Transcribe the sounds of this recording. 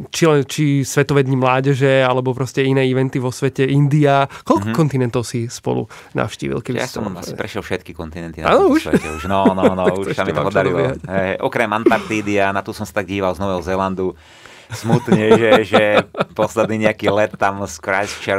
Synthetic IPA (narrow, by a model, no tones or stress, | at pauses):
t͡ʃilɛnt͡ʃisʋɛt̪ɔʋɛːd̪ɲimlaːɟɛʒɛalɛbɔpɾɔscɛinɛːiʋɛnt̪iʋɔsʋɛcɛind̪iakɔlkkɔkɔnt̪inɛnt̪ɔʊsispɔ̰lṵ | na̰fʃcḭːʋḭlkɛbijaɔ̰ma̰si̥pɾɛʃjɛlfʃɛt̪kikɔnt̪inɛnt̪inaːnɔuʃɛ̰ɛ̰uʃnɔnɔnɔuʃsamiɔpɔd̪aɾilɛɛɦaɦɛɛʔɔkɾɛmant̪aɾt̪iːd̪ianat̪ɔsɔmsḁt̪aɡ̚ɟiːʋalznɔʋɛɦɔzɛland̪u | smut̪ɲɛʒɛʒɛpɔslɛd̪niːɲɛakiːlɛt̪ːamskɾa̰jst͡ʃɛɾ